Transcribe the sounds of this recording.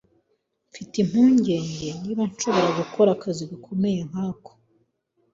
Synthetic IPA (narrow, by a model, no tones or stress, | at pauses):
ɱfitim̥uːɲɟe̞ːɲɟe̞niβanʃo̞βo̞ɾaɡukʰo̞ɾakaziɡakʰo̞me̞jeŋ̥aːko̥